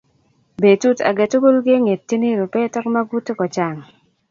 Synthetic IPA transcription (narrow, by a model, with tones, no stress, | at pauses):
be˨tu˦ta̰˨ɡe˨to˦bo˦lɡɪ˦ŋe˨tːi˦ne˦ɾo˨pɛ˦tɔ˦kma˦ɡu˦tkɔ˨t͡ʃa˨ŋ